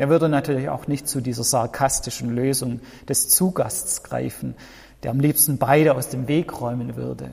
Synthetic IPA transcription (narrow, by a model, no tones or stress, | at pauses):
ʔeːɐvʏɐdənatʰyːɐlɪça̰ʊxnɪçtt͡sudiːzɐzaɐkʰastɪʃn̩løːzʊŋ | d̥ɛst͡suːɡa̰stt͡sɡ̥ʁa̰ɪfn̩ | d̥eːɐamliːpstn̩baɪɾəaʊsd̥eːmveːkʁɔʏmənvʏ̰ɐdə̰